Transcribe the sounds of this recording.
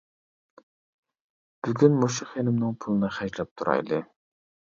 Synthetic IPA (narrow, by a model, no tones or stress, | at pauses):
b̥yɡʲynmoʃʊχenɪmnɨŋpʰulˠɨnɨχæʒlɛp̚t̪ʰuɾɑ̰jlˠɨ